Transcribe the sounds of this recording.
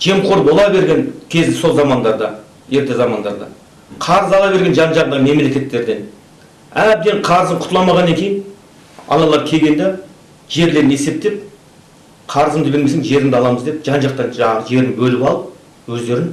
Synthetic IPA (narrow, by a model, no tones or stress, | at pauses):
ʒ̥e̞mqʰo̞ɾbo̞lˠɑbe̞ɾɡʲe̞nkʲʰe̞zd̪ɪso̞lˠzɑmɑnd̪ɑɾd̪ɑ | je̞ɾt̪e̞zɑmɑnd̪ɑɾd̪ɑ̰ | qʰɑɾəzɑlˠɑβe̞ɾɡʲenʒɑnʒɑʁənɑme̞mle̞kʲe̞t̪ːe̞ɾd̪e̞n | æb̚d̪eɴqʰɑɾəzəɴqʰʊ̥t̪əlˠɑmɑʁɑnːɑŋkʲʰe̞jɪn | ɑ̰nɑlˠɑɾkʲʰe̞ɡʲe̞nd̪e | ʒ̥e̞ɾle̞ɾɪne̞se̞p̚t̪e̞p̚ | qʰɑɾəzəmd̪əbemes̬eŋʒe̞ɾɪnd̪ɑlˠɑməzd̪e̞pʒɑnʒɑq̚t̪ɑnʒɑʒe̞ɾɪnbɵlɪpɑlˠəp̚ | wɵzd̪e̞ɾɪn